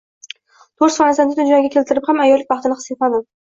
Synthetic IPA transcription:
t̪ʰoɾsχɒnasand̪ɪd̪ʰʊd͡ʒaɡʲakʲʰelʲt̪ʰɪɾɪpχamajɒlːɪk̚ʲvɑχt̪ɪnɪχɨ̥set̪mad̪ɪm

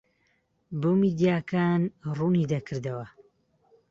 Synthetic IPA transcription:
bomid̪ijaːkaːnrunid̪akʰɨɾd̪ɐwɐ

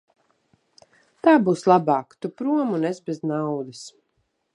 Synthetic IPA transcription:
t̪aːbuːslˠabaːkt̪upɾuɔmunɛzbɛznawd̪is

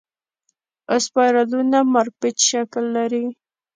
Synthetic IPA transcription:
ɪspɑɾalunamaɾpɪt͡ʃʃaklːaɾi

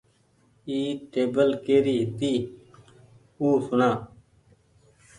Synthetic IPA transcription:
iːʈeːbəlkeːɾiːɦt̪iː | uːsʊnaː

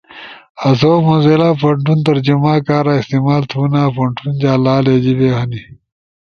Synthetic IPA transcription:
ɐs̬oːmunzeːlaːpɐɳʈunt̪ɐɾd͡ʑumaːkaːɾaːist̪eːmaːlt̪ʰuːnaːpɐɳʈʰund͡ʑaːlaːleːd͡ʑibeːhɐni

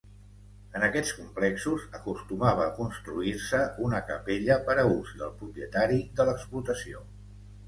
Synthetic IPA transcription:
ənəkɛt͡skumplɛksuzəkust̪umaβ̞əːkunst̪ɾuiɾsəunəkəpeʎəpəɾəuzd̪ə̰lˠpɾupiət̪aɾid̪ələksplut̪əsio

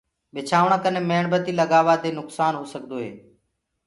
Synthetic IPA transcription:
ɓɪt͡ʃʰaːʋɳãːkənẽːmeːɳbət̪iːləɡaːʋaːd̪eːnʊksaːnɦoːsəɠd̪oːɦḛː

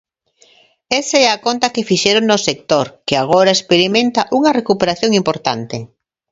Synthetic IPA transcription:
esaɛakont̪akefiʃeɾoŋnosek̚t̪oɾkeaɣ̞oɾaespeɾimẽnt̪aʔuŋɐrekupeɾaθjoŋimpoɾt̪a̰nt̪e

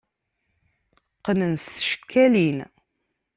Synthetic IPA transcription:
qːnənsθʃə̥kʰːælin

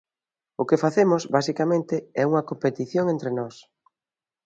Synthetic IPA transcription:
ʊkɪfaθemʊsβasikamẽnt̪ɪɛuŋɐkompet̪iθjoŋẽnt̪ɾɪnɔs

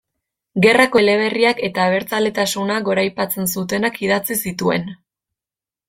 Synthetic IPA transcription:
ɡe̞rakole̞βe̞riake̞t̪aːβ̞e̞ɾt͡sale̞t̪asunaɡo̞ɾajpat͡se̞nsut̪e̞nakiðat͡sisit̪ue̞̰n

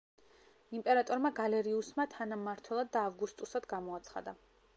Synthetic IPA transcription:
impʼɛɾat̪ʼɔɾmaɡalɛɾiusmat̪ʰanamaɾt̪ʰwɛlˠad̪ːaːvɡust̪ʼusad̪ɡamɔat̪sʰχa̰d̪a

